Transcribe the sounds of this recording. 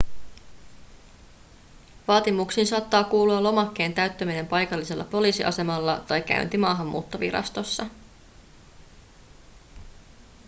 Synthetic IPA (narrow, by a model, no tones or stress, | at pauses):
ʋɑːt̪imuksiːnsɑːt̪ːɑːkuːluɑlo̞mɑkːe̞ːnt̪æɥt̪ːømine̞mpɑjkɑlːise̞lːɑ̰po̞liːsiʔɑ̰se̞mɑlːɑt̪ɑjk̟æ̰ynt̪imɑːɦɑmːṵːt̪ːo̞ʋḭɾɑ̰st̪o̞sːɑ